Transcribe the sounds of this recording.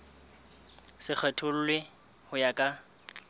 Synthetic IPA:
sɪk͡xʰɛtʰʊl̩lwɪ | hʊjakʼa

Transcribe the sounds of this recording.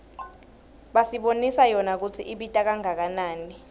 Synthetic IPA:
ɓasiɓonisajɔnak̬ut͡sʰiʔiɓitʼak̬aŋak̬anaːni

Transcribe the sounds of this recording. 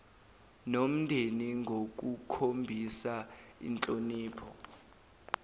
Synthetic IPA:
nom̩ndʱeniŋɡʱok̬ukʰombʱisaḭnt͡ɬʼoniːpʰɔ

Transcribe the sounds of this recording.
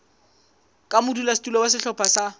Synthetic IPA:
kʼamʊdulasi̥tulɔwas̬ɪɬɔpʰasa

